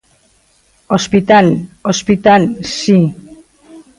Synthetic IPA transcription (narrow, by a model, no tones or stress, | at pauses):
ospit̪alospit̪alsi